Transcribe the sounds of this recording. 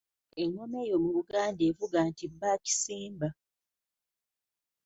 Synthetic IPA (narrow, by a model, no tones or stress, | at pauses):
e̞ŋːome̞ːjo̞muβuɡaːndeːvuɡaːntibːaːci̥siːmba